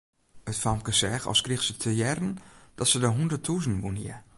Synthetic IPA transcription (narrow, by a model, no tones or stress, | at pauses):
ətfamkəsɛxɔ̰lˠskrixsətʰəjɛrənd̥ɔtsədəɦundətʰuzn̩ʋunjɪ̰